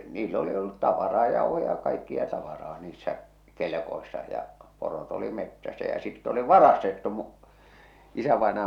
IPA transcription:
niːlː oli olːut tɑʋɑrɑː jɑuhojɑ jɑ kɑikːiɑ tɑʋɑrɑː niːsːæ kelĕkoisːɑ jɑ porot oli metːæsæ jɑ sitː oli ʋɑrɑstetːu mu isæʋɑˑenɑjɑ

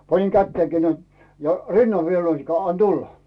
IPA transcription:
pɑniŋ kætːeːkiː næin jɑ rinːɑʋ ʋiel næinikːænĕæˑ ɑn tulːɑ

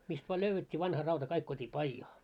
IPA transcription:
mist ʋɑː løyʋːetʲːiː ʋɑnhɑ rɑutɑ kɑik tuotʲiː pɑijɑː

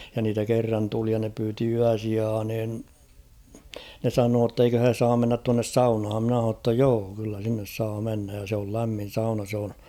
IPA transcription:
jɑ niːtæ kerːɑn tuli jɑ ne pyːti yæsiɑː nin ne sɑnoː tːeikø he sɑːm menːæt tuɑnːes sɑunhɑm mɪ̆næ h̞ɑno tːɑ joː kylːæ sinːes sɑː menːæj jɑ sĕ ol læmːin̞ sɑunɑ s oːn

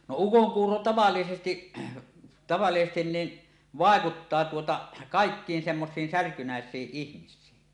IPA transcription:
no ukoŋkuːro tɑʋɑlːisesti tɑʋɑlːisestin niːn ʋɑˑekutːɑː tuotɑ kɑˑekːiːn semːosiːn særkynæesˑiːʔ ʔihmisˑiːn

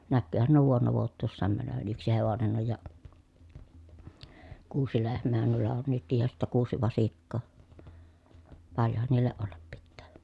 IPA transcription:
nækːyːhæn nuo ʋuonːɑ ʋuotˑuːsːɑːm mænøʋæn yksi heʋonen oj jɑ kuːsi lehmˑeːhæn nuilːɑ on nytkij jɑ sitːæ kuːsi ʋɑsikːoː pɑljohɑn niːlːeʔ ʔolːɑp pitːæː

